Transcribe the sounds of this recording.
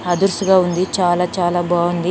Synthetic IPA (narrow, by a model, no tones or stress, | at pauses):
ɐd̪uɾsuɡaːund̪it͡ʃaːlaːt͡ʃaːlaːbaːɡund̪i